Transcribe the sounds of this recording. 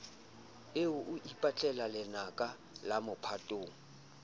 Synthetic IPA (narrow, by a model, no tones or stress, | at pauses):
eʊʔʊʔipʼat͡ɬʼɛlalɪnakʼa | lamʊpʰatʼoːŋ̩